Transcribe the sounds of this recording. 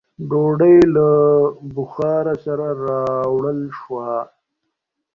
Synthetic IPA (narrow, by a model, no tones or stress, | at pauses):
ɖoɖajlabʊxɑːɾasaɾaɾɑwɽəlʃwa